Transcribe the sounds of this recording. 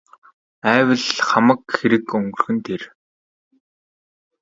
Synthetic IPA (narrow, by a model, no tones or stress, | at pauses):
æːwə̆ɮχamə̆kxeɾɘ̆kɵŋɡɵ̆rxɵ̆nt̪ʰer